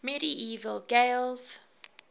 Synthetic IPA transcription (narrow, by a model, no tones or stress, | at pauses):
mɛɾiʔiːvəlɡeɪlˠz̥